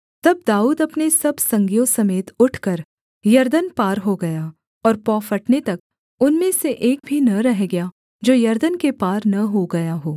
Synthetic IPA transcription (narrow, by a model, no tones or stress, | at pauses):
t̪ɐb̚d̪aːuːd̪ɐpnesɐbsɐ̃ŋɡjõsɐmeːt̪ʊʈʰkɐɾ | jɐɾd̪ənpaːɾɦoɡɐjaː | ɔːɾpɔːfɐʈnet̪ɐk̚ | ʊnmẽseʔeːk̚bʱinɐɾɛɦɡɐja | d͡ʒoːjɐɾd̪ənkepaːɾnɐɦoɡɐjaɦoː